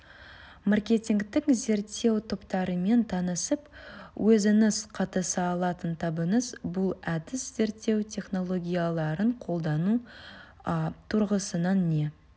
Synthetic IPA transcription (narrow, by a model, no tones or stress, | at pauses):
markʲe̞t̪ʲiŋkt̪ɪŋze̞ɾt̪ːe̞wt̪ʰopt̪ɑɾəme̞nt̪ʰɑnəsəpwʔɵzɪnɪzqʰɑt̪əsəːlˠɑt̪ənt̪ʰɑbənəzbʊlˠæd̪ɪsz̥e̞ɾt̪ːe̞wt̪ʲʰe̞χno̞lˠo̞ɡʲijalˠɑɾəɴqʰo̞lˠd̪ɑnu | t̪ʰʊɾʁəsənɑnːe̞